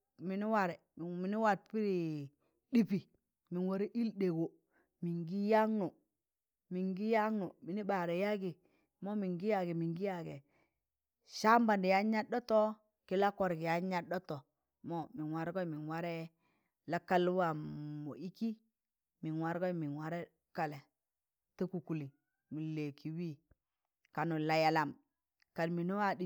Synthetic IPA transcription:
mi˨ni˦wa˨ɾɛ˨m˨mi˨ni˦wa˨t̚pi˦ɾi˨ | ɗi˦pi˨ | mi˨nwo˨ɾi˦ʔi˦lde˨ɡo˨ | mi˨ŋɡi˦ja˦ŋno˨ | mi˨ŋɡi˦ja˦ŋno˨mi˨ni˦ba˨ɾɛ˨ja˦ɡi˨ | mɔ˦mi˨ŋɡi˦ja˨ɡe˨mi˨ŋɡi˦ja˨ɡɛ˨ | ʃa˦mba˨ndi˨ja˦ɲa˦dɔ˦tɔ˦ | ki˦la˦kɔ˨ɾɡi˨ja˨˦ɲa˦dɔ˦to˨ | mo˦mi˨nwa˨ɾɡo˦mi˨nwa˦ɾɛ˦ | la˦ka˦lwa˨mo˨i˦ki˦ | mi˨nwa˨ɾɡo˦mi˨nwa˦ɾe˦ | ka˨le˨ | ti˦ku˨ku˨li˨ | mi˨le˨kʰi˨wi˦ | ka˨nu˨la˨ja˨la˨m | ka˨nmi˨no˦wa˦di˦

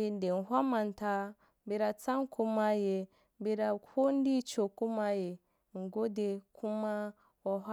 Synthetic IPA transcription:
e˨n˨de˨n˨ɦʷa˦ma˨nta˦ | bi˨ɾa˨t͡sa˦ŋ˦ku˦ma˦je˨ | bi˦ɾa˨ko˦n˦di˦t͡ʃo˨ku˦ma˦je˨ | ŋ̩˨ɡo˦de˨kʰu˦ma˦ | wo˦ɦa˦

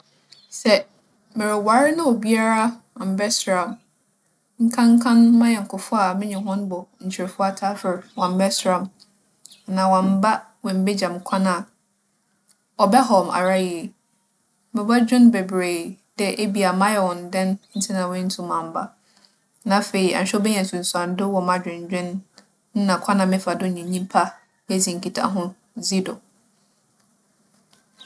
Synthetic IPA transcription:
sɛ˨ | mɪ˨ɾɪ˨wa˨˦ɾɪ˦nã˦ɔ˨bi˦a˦ɾa˦wã˨m̩˨˦bɛ˦sɾã˨m | ŋ̩˦kʰã˦ŋ˦kʰã˦nmã˦jɛ˨ŋ̩˨kʰʊ˨fʊ˦a˨mɪ̃˦ɲɪ̃˨hɔ̃˦nbɔ˨ɲ̩˨t͡ɕʰɪ˨ɾɛ˨fʊ˦a˨tʰa˦fɪ˨ɾwã˨m˦bɛ˦sɾã˦m˨ | nã˨wã˨m̩˨ba˦ | wɛ̃˨m˦be˦d͡ʑã˨m˨kʷʰã˦na˨ | ɔ˨bɛ˦ɦɔ˨mʔa̰˨ɾa˦je˨ | mɪ˨ba˦d͡ʑᶣɪ̃˦nbɛ˨bɾe˨d̥ɛ˨ʔe˦bi˨a˨mã˦jɛ˦˨wɔ̃˨ndɛ̃˦nn̩˦tʰɪ˦nã˨wɛ̃˦n̩˦tʰũ˨mã˨m˨ba˦ | nã˨fe˨i˨a̰˨ɲ˨ɕᶣɛ˦ɔ˦bɛ˦ɲɛ̃˨n̩˨sũ˨n̩˨sã˨n˦dʊ˦wɔ˨mã˨d͡ʑᶣɪ̃˨ɲ˨d͡ʑᶣɪ̃˦n̩˦ | nã˨kʷʰã˦nã˨mɪ̃˦fa˨dʊ˦˨ɲĩ˨ɲĩ˦pʰa˦ | jɛ˦d͡zĩ˨ŋ̩˨kʰi˨tʰa̰˦ɦʊ̃˦ | zi˦dʊ˨

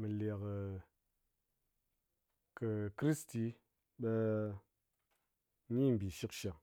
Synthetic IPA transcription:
mɨ˨la˨k | kɨ˨kɾi˦sti˧ | ɓe˧ | ni˦m̩˨bi˨ʃi˦kʃa˨

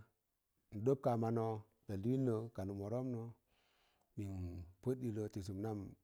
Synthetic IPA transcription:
n̩˨ɗo˦p̚ka˨ma˨no˦ | da˨li˦i˦nːə˨˦ka˨nu˨mo˨ɾo˦mno˨˦ | mi˨npə˦tːi˨lo˨ti˨s̬u˨mna˦m

